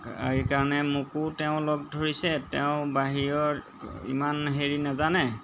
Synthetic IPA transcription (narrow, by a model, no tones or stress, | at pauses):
ikaɹɔnɛmukutɛʊ̃lɔɡ̚dʱoɹisɛtɛʊ̃baɦijɔɹ | ḭmanɦeɹinazanɛ